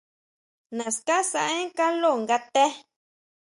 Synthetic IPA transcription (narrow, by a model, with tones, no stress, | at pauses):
nã˨ska˦sa˧ʔẽ˦ŋ˦ka˦lo˦˨ŋɡa˧t̪ɛ˦